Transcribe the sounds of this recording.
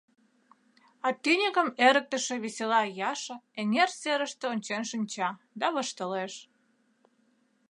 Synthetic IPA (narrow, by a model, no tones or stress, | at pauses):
ɑt̪ynʲikə̆meɾək̚t̪əʃĕβeselɑjɑʃə̆enerseɾəʃt̪eonʲt͡ɕenʃinʲt͡ɕɑ | d̪ɑβəʃt̪əleʃ